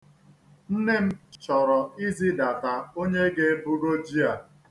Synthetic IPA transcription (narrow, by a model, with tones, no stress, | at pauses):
n̩˦ne˦m̩˦t͡ʃɔ˨ɾɔ˨i˦zi˦da˨ka˨o˦ɲe˦ɡe˦bu˦ɾo˦d͡ʒi˦a˨